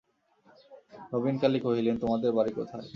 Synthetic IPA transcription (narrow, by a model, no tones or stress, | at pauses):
ɾobinkalikoɦilent̪omad̪eɾbaɾiko̰t̪ʰae